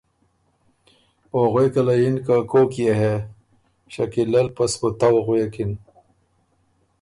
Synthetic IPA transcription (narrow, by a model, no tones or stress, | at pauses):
oɣwekɐlajinkakokjeɦe | ɕɐkilɐlpɐsot̪awoɣwekin